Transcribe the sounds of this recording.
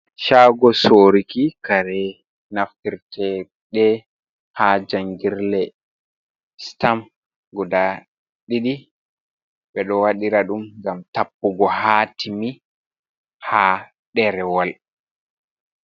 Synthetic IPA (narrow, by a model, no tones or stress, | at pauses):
ʃaːɡɔsoːɾikikaɾɛ | naftiɾtɛ | ɗɛ | had͡ʒaŋɡiɾlɛ | stam | ɡɔda | ɗiɗi | ɓɛɗɔwaɗiɾaɗumŋɡamtapːuɡɔhaːtʰimi | haː | ɗɛɾɛwal